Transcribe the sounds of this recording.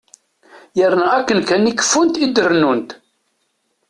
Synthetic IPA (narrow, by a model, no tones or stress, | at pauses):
jəɾnæækːənkænikːə̥fːunt̪id̪əɾnunt̪